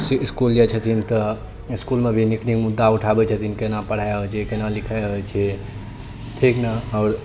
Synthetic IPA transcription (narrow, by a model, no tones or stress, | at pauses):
siiskuld͡ʒat͡ʃʰət̪ʰint̪ə | iskulmebʱiniknikmud̪ːauʈʰabɛt͡ʃʰət̪ʰinkenapəɽ̤ajɦət͡ʃʰɛkenalikʰajɔt͡ʃʰɛ | t̪ʰiknaɔːɾ